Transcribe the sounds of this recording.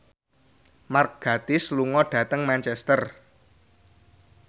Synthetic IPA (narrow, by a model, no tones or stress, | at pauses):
mark̚ɡ̥ä̤t̪ɪsluŋɔɖ̥ä̤t̪əŋmant͡ʃɛst̪ər